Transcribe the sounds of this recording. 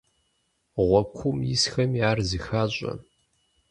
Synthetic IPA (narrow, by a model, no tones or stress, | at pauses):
ʁʷɔkʷʰʊmjisxɐmiaːrzɨxaːɕʼɐ̰